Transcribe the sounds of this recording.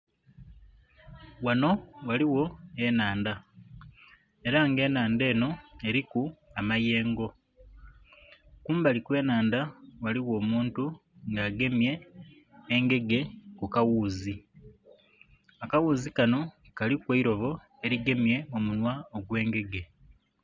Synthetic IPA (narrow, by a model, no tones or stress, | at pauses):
wano̞waliwo̞e̞naːnda | e̞ɾaŋɡe̞ːnaːnde̞ːno̞e̞ɾikuamaje̞ːŋɡo̞ | kuːmbalikwe̞ːnaːndawaliwo̞ːmuːntu | ŋɡaːɡe̞mje̞ː | ŋɡe̞ɡe̞kukawuːzi | akawuːzikano̞ | kalikweiɾo̞βo̞ | e̞ɾiɡe̞mje̞o̞munwaoɡwe̞ːŋɡe̞ɡe̞